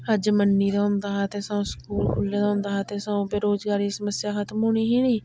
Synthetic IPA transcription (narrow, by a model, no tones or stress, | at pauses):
həd͡ʒmənːiːd̪aːʊ̃nd̪aːɦaːt̪eːsãũsə̥kuːlkʰʊlːeːd̪ãːʊnd̪aːɦaːt̪eːsãːũːbeːɾoːzɡaːɾiːsəməsjaːkət̪mɦoːɽ̃iːɦiːnĩː